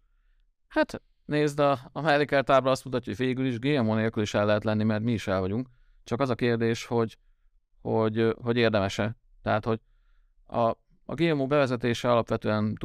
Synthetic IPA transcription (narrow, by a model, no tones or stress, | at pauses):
hat̪ | neːzd̪ɒːmɛlːikɛrt̪aːbrɒɒst̪mut̪ɒcːoɟveːɡyliʒɡeːɛmoːneːlkyliʃɛlːɛɦɛt̪lɛnːimɛrt̪miːʃɛlvɒɟuŋk | t͡ʃɒkɒzɒkeːrd̪eːʃho̞ɟ | hoɟɦo̞ɟeːrd̪ɛmɛʃɛ | t̪ɛɦat̪ho̞ɟ | ɒ̰ | ɡeːɛmoːbɛvɛzɛt̪eːʃɛɒlɒpʋɛt̪øːɛnt̪